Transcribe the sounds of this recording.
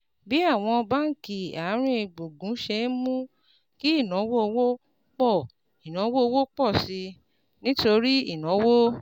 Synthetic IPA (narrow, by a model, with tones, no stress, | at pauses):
bi˦a˦˨w̃ɔ̃˧ba˦ŋ̩˨ki˨a˨˦ɾ̃ĩ˦i˧ɡ͡bo˨ɡũ˨˦ʃe˧˦mũ˦ | ki˦i˦˨nɔ̃˨˦wo˦o˧wo˦ | k͡pɔ˦˨ | i˨nɔ̃˨˦wo˦o˧wo˦k͡pɔ˦˨si˧ | nĩ˦to˧ɾi˦i˦˨nɔ̃˨˦wo˦